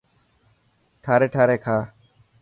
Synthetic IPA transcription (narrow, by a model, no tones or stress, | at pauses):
ʈʰaːɾeːʈʰaːɾeːkʰaː